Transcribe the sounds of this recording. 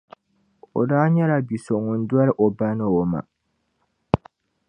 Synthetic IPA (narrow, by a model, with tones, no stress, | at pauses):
o̰˨daː˦ɲɛ˦la˨bi˨so˨ʔŋʊ˨n̩˦du˦ɔ˦ɾʔo˨ba˦nɨ˦o˨ma̰˨